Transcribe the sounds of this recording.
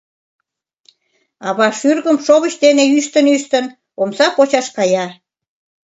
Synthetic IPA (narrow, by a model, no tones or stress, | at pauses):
ɑβɑʃyrɣəmʃoβət͡ɕd̪eneyʃt̪ənyʃt̪ən | omsɑpot͡ɕɑʃkɑjɑ